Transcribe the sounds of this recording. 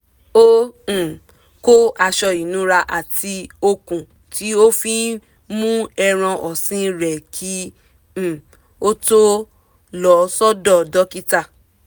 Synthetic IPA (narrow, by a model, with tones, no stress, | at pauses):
õ˦˨ | ko˦a˧ʃɔ˧i˨nũ˨˦ɾa˧ʔa˨tʰi˧o˧kũ˨ | ti˨˦o˦fi˦ | mũ˦ɛ˧ɾ̃ã˧ʔɔ˨sĩ˦ɾɛ˨kʰĩ˦˨ | o˦to˦ | lɔ˨˦sɔ˦dɔ˦˨dɔ˦ki˦ta˦˨